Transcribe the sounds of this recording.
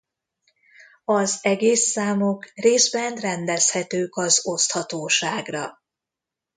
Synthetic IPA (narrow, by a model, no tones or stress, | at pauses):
ɒzɛɡeːsːaːmokreːzbɛnrɛnd̪ɛshɛt̪øːkɒzo̞st̪hɒt̪oːʃaːɡrɒ